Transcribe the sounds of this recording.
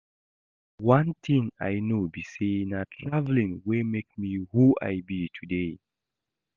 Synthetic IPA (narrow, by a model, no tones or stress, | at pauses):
wãnt̪ʰĩŋa̰jnobiseĩŋatʰɹavlĩŋwemek̚mihua̰jbitʰude